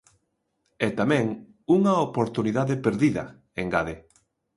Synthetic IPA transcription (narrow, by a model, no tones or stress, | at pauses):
ɛt̪amɛ̃ŋ | uŋɐopoɾt̪uniðaðɪpeɾðiðɐ̰ | eŋɡaðe